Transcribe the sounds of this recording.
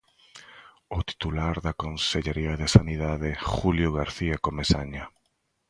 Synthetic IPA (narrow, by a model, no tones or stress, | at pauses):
ʊt̪i̥t̪ulaɾðakonseʎeɾiaðesaniðaðexuljoɣaɾθiakomesaɲa